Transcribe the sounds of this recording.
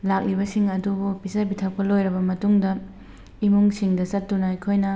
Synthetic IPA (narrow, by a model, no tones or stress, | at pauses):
lak̚libɐsiŋɐdubupisɐbitʰɐk̚pɐlojɾɐbɐmɐtuŋdɐ | imuŋsiŋdɐsɐtːunɐɐjkʰojnɐ